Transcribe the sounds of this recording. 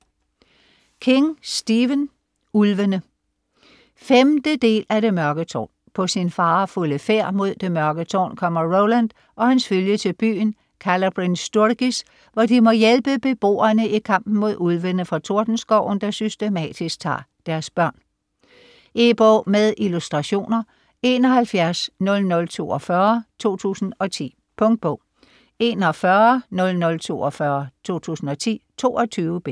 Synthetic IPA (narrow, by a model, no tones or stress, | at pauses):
kʰe̝ŋsd̥iːʋən | ulʋənə | femd̥əd̥e̝̰ːlæɾe̝mɶɐɡ̥ət͡sʰɒ̰ːn | pʰɒ̽sinfɑ̈ːfuləfeɐ̰mo̝ð̰ˠd̥e̝mɶɐɡ̥ət͡sʰɒ̰ːnkʰɒ̽m̰ɐʁoʊlænd̥ | ʔɒ̽hænsføljət͡sʰe̝lb̥y̰ːn | kʰælɐb̥ʁinsd̥uɐɡ̥is | ʋɒd̥imɒ̽jelb̥əb̥e̝b̥o̝̰ːɐnəikʰɑ̈m̰b̥n̩mo̝ð̞ˠuð̞ˠʋen̰ð̩fʁɑ̈t͡sʰo̝ɐd̥n̩sɡ̥ɒʊ̰n̩d̥ɑ̈sysd̥e̝mɛ̰ːd̥isɡ̥̚t͡sʰɑ̰̈ː | d̥æɐsb̥ɶɐ̰n | ʔeb̥ɒ̰ːmeðˠʔilusd̥ʁɑ̈ɕo̝̰ːnɐ | e̝ːnɒ̽hælfjæɐsnɔ̽lnɔ̽lt͡sʰo̝̰ːɒ̽fɶɐt͡sʰo̝̰ːt͡sʰṵːsn̩ɒ̽t͡sʰḭː | pʰɔ̽ŋd̥̚b̥ɔʊ | e̝ːnɒfɶɐnɔ̽lnɔ̽lt͡sʰo̝̰ːɒ̽fɶɐt͡sʰo̝̰ːt͡sʰṵːsn̩ɒ̽t͡sʰḭːt͡sʰo̝̰ːɒ̽t͡sʰyːʊəb̥e